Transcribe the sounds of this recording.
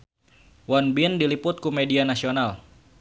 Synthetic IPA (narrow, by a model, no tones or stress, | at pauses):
wanbindilipʊt̪̚kumedianasional